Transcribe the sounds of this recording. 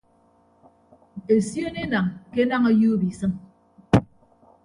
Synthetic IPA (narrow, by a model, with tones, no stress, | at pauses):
e˨sjo˦ne˦na˨ŋke˦na˦ŋa˦ju˦bi˨sɨ˦n